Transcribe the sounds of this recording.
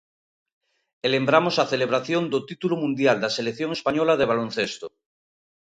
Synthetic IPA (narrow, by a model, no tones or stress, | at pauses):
elembɾamosaθeleβ̞ɾaθjond̪ot̪it̪ulomũnd̪jald̪aselekθjoŋespaɲolað̞eβ̞alon̟θest̪o